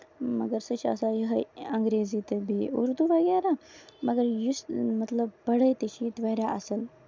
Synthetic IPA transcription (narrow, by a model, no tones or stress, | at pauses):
mɐɡəɾsət͡ʃɐ̰sajəɦəɐŋɡɾeːzit̪əbʱiṵɾd̪uʋəɡjaɾamɐɡəɾjusmɐt̪ləbpɐɽəjt̪əɕit̪ʋɐɾʲjaʔɐsəl